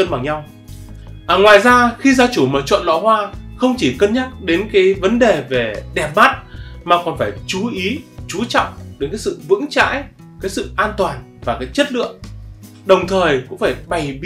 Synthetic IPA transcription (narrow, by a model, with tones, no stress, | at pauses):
ə˧nɓa˨˩ŋɲa˧w | ʔaː˨˩ŋwaː˨˩jzaː˧xi˧zaː˨˧t͡ɕu˧˩məː˨˩t͡ɕwə̰˧˨nlɔ̰˧˨hwaː˧xə˧wŋ͡mt͡ɕi˧˩kə˧nɲa˦˥t̚ɗe˨˦nkaː˨˦jvə˨˦nɗe˨˩ve˨˩ɗɛ˨˩p̚maː˦˥t̚maː˨˩kɔ˨˩nfaː˧˩jt͡ɕu˨˦ʔi˨˦t͡ɕu˨˦t͡ɕɔ̰˧˨wŋ͡mɗe˨˦nkaː˨˦jsɨ̰˧˨vɨ̰˧˥ŋt͡ɕa̰ː˧˥j | kaː˨˦jsɨ̰˧˨ʔaː˧nt̪waː˨˩nvaː˨˩kaː˨˦jt͡ɕə˦˥t̚lɨ̰˧˨əŋ | ɗə˨˩wŋ͡mt̪ʰəː˨˩jkʊ̰˧˥ŋfaː˧˩jɓa˨˩jɓi˧˦